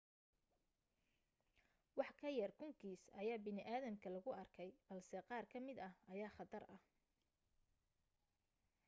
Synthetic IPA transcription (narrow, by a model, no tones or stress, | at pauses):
wɑħkʰɐjɐrkʰʊŋkʰiːsɐ̰jaːbɪnɪʔaːðɐmkʰɐlɐɣʊɐrkʰɛjb̥ɐlsɛqɑːrkʰɐmɪd̪ɐhɐjaːχɑðɐrɐh